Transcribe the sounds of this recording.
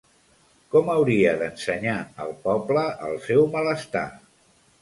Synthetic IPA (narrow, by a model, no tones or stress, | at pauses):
kɔməwɾiəðənsəɲaəlˠpɔbləʔə̰lˠsɛwmələst̪a̰